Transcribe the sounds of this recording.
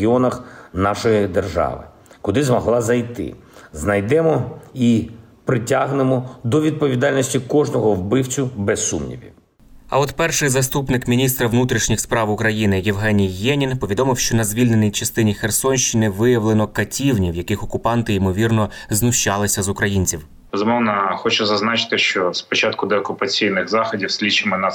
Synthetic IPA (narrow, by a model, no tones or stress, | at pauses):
iɔnɐxnɑʃɔjid̪erʒɑ̰ʋɪ̰ | kʊd̪ɪzmɔɦlˠɑzɐjt̪ɪ̰znɐjd̪ɛmɔi | pɾɪtʲaɦnɪmɔd̪ɔʋʲid̪̚pɔʋʲid̪ɑlʲnɔsʲtʲikɔʒnɔɦɔwbɪwt͡sʲʊbɛsːṵmnʲḭʋʲḭ | ɐ̰ɔt̪pɛrʃɪjzɐst̪upnɪkmʲinʲist̪ɾɐʋnut̪ɾʲiʃnʲixspɾɑwʊkɾɐjinɪjewɦɛnʲijːɛnʲinpɔʋʲid̪ɔmɪwʃt͡ʃɔnɐzʲʋʲilʲne̞nʲijt͡ʃɐst̪ɪnʲixersɔnʲʃt͡ʃinɪʋɪjɐwlˠenɔkɐtʲiwnʲiwjɐkɪxɔkʊpɑnt̪ɪimɔʋʲirnɔznʊʃt͡ʃɑlˠɪsʲɐzʊkɾɐjinʲt͡sʲiw | bezʊmɔwnɐxɔt͡ʃɛzɐznɑt͡ʃɪ̥t̪ɪʃt͡ʃɔspɔt͡ʃɑt̪kʊd̪ɛɔkʊpɐt͡sʲijnɪxzɑxɔdʲiwsʲlʲit͡ʃɪmɛna